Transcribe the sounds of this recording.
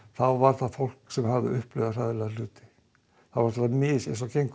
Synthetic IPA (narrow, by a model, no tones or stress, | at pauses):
θawvaɾθaðfowl̥ksɛmhavðɪ̰ʏhplœːðar̥aðɪlaðlʏːt̪ɪ̥ | θavaɾ̥t̪amɪsḛjnsɔcejŋk